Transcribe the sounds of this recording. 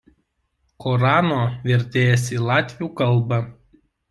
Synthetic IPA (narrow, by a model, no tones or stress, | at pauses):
kɔɾɑːnoːʋʲɛɾʲt̪ʲeːjɛsiːlˠɑːt̪ʲʋʲuːkɐlˠˑbɑ